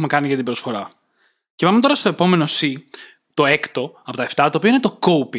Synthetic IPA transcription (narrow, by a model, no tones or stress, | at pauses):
me̞kɐniʝɐt̪ibɾo̞sfo̞ɾɐ | cevɐmet̪o̞ɾɐst̪o̞e̞po̞me̞no̞si | t̪o̞ekt̪o̞ɐpo̞t̪ɐeft̪ɐt̪opio̞inet̪o̞ko̞upi